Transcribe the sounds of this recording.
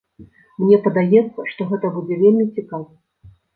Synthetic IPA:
mnʲɛpɐd̪ajɛt̪sːɐʂt̪ɔɣɛt̪ɐbud͡zʲɛvʲelʲmʲit͡sʲikavɐ

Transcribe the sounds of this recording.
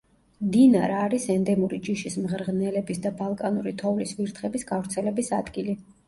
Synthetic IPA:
md̪inaɾaːɾisɛnd̪ɛmuɾid͡ʒiʃismʁɾʁnɛlɛbisd̪abalˠkʼanuɾit̪ʰɔvlisviɾt̪ʰχɛbisɡavɾt̪sʰɛlɛbisad̪ɡili

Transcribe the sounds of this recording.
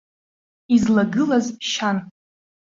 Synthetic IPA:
izlaɡɨlazpʃan

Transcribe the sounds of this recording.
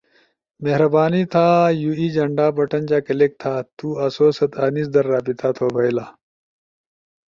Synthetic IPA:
meɦɾɐbaːnit̪ʰaːjuːiːd͡ʑɐɳɖaːbɐʈɐnd͡ʑaːkɐlek̚t̪ʰaːt̪uːɐsoːsɐt̪aːniːsd̪ɐɾːaːpit̪ʰaːt̪ʰoːbʱɐjlaː

